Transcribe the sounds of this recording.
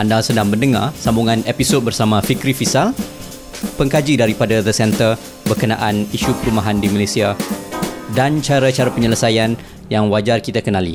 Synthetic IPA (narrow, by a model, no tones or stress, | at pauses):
ʔandaŋsədaŋbəndəŋa̰rsambuŋãnepisot̪̚bərsamãfikɾifisal | pəŋkad͡ʒidaɾipadaðəsɛnt̪ər | bərkəna̰ʔaniʃupəɾumaɦandimalesia | dant͡ʃaɾat͡ʃaɾapəɲələsajan | jaŋwad͡ʒarkit̪akənãlḭ